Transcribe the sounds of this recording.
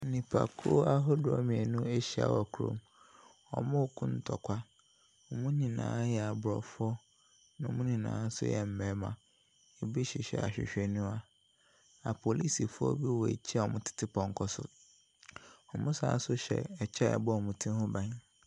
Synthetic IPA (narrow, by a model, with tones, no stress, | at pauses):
nĩ˨pʰa̰˨kʰu˦a˦ɦɔ˦dʊ˨ɔ˦mĩ˨ɛ˨nũ˦e˦ɕi˨˦a̰˨wɔ˨kʰu˨ɾõ̰˨m | ɔ̰˨mʊ̃˦kʰʊ̃˦n̩˨tʰɔ˨kʷʰa˦ | ɔ˨mũ˦ɲĩ˨nã̰ː˨˦jɛ˨a˨bɾɔ̰˨fʊ˦ɔ˦ | nã˨mũ˦ɲĩ˨nã̰ː˨˦n̩˦sʊ̰˦jɛ̰˦m̩˨mɛ̃˨˦mã̰˨ | e˨bi˦ɕi˨ɕᶣɛ̰˨a̰˨ɕᶣɪ̰˨ɕᶣɛ˨nũ˦a˨ | a˨pʰo˨li˦si˨fʊ˦ɔ̰˦bi˦wɔ˨ḛ˨t͡ɕʰi˦a˨ɔ˨mʊ̃˦tʰɪ̥˦tʰɪ˦pʰɔ̃˨ŋ˦kʰɔ˦sʊ̰˦ | ɔ˨mʊ̃˦sa̰ː˨˦sʊ˦ɕɛ̰˨ɛ˨t͡ɕʰɛ˦ɛ̰˨bɔ˦ɔ˨mũ˨tʰĩ˦hʊ̃˦bã˨˦ɲ